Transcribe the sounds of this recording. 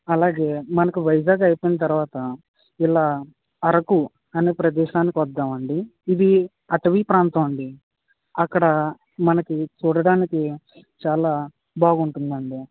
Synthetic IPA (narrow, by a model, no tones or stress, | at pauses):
ɐlaːɡe̞ːmɐnɐkuʋɐjd͡ʒaːɡɐjpijnɐt̪ɐɾuʋaːt̪ɐ | ilaː | ɐɾɐku | ɐneːpɾɐd̪ɛːʃaːnikiʋɐd̪ːaːmɐɳɖiːd̪i | ɐʈɐʋipɾaːnt̪ɐmɐɳɖi | ɐkːɐɽɐ | mɐnɐkit͡ʃuːɽɐɽaːniki | t͡ʃaːlaː | baːɡuɳʈund̪ɐɳɖi